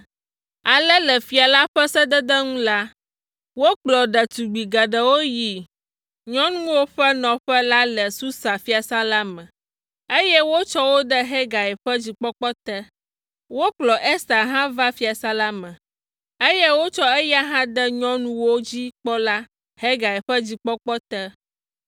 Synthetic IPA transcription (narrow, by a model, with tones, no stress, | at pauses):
a˨lɛ˦lɛ˨fi˨a˨la˦ɸɛ˦sɛ˦d̪ə˦d̪ə˦ŋũ˦la˦ | wo˦k͡plɔ˨ɖə˨t̪u˨ɡ͡bi˨ɡa˨ɖə˨wo˦ji˨ | ɲɔ̃˦nũ˦wo˦ɸɛ˦nɔ̃˨ɸɛ˦la˦lɛ˨su˦sa˨fi˦a˨sa˦la˦mɛ̃˨ | e˦jɛ˦wo˦t͡ʃɔ˦wo˦ɖɛ˦ɦɛ˦ɡa˨ɛ˨ɸɛ˦d͡ʑi˨k͡pɔ˦k͡pɔ˦t̪ɛ˦ | wo˦k͡plɔ˨ʔɛ˦sa˨ɦã˦va˦fi˦a˨sa˦la˦mɛ̃˨ | e˦je˦wo˦t͡ʃɔ˦e˦ja˦ɦã˦d̪ɛ˦ɲɔ̃˦nũ˦wo˦d͡ʑi˦k͡pɔ˦la˦ | he˦ɡa˨ɛ˨ɸɛ˦d͡ʑi˦k͡pɔ˦k͡pɔ˦t̪ɛ˦